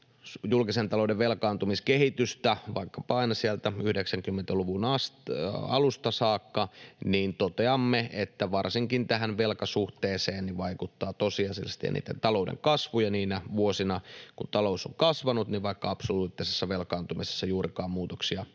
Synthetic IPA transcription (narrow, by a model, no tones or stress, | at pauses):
julkisent̪ɑloudeʋʋelkɑːnt̪umiskeɦit̪yst̪æʋɑ̰ikːɑpɑɑinɑsiælt̪æyhdeksæŋkymːent̪æluʋunɑsɑ̰lust̪ɑsɑːkːɑniːnt̪ot̪eɑmːeet̪ːæʋɑrsiŋkint̪æɦænʋelkɑsuht̪eːseːnniʋʋɑikut̪ːɑːt̪osiɑsḭlst̪j̰ɑ̰nḭːt̪ːent̪ɑlo̞udḛŋkɑsʋujɑniːnæʋuosinɑkunt̪ɑlousoŋkɑsʋɑnut̪niʋʋɑikːɑɑpsoluːt̪ːisesːɑʋelkɑːnt̪umisesːɑjuːɾikɑːmmuːt̪oksiɑ